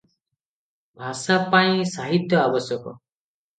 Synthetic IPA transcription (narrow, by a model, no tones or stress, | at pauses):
bʱasapaĩsaɦit̪jɔabɔsjɔkɔ̰